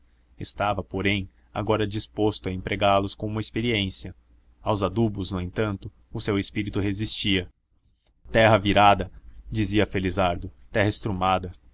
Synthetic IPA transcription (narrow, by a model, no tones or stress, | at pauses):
est̪avɐpoɾẽj̃ | a̰ɡɔɾɐd͡ʒispost̪ʊɐẽmpɾʔeɡaɾlʊskõũmmɐespeɾiẽsiɐ | awzad̪ubʊznʊẽnt̪ɐ̃nt̪ʊ | ʊsewespiɾit̪ʊɦezist͡ʃiɐ | t̪ɛɦɐviɾad̪ɐd͡ʒiziɐfelizaɾd̪ʊt̪ɛɦɐɪst̪ɾumad̪ɐ